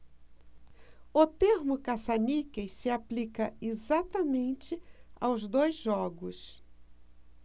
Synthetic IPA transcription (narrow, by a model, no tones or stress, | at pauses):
ʊt̪eɾmʊkasanikesɪaplikɐezat̪ɐmẽnt͡ʃɪa̰wzd̪ojzʒɔɡʊs